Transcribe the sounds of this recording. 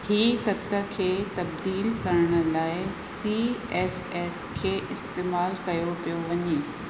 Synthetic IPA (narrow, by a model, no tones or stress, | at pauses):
hiːt̪ɐt̪ə̆kʰeːt̪ɐb̚d̪iːlkɐɾəɽ̃ə̆laːɪ | siːɛːs | ɛːskʰeːʔɪst̪eːmaːlkɐjopijoʋɐɲeː